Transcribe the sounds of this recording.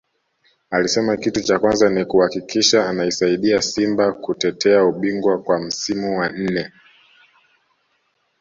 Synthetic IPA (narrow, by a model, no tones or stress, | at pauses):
alisɛmakitut͡ʃakwanzanikuhakikʰiʃaːnaisaiɗiasimbakutɛtʰɛauɓiŋɡwakwam̩simuwan̩nɛ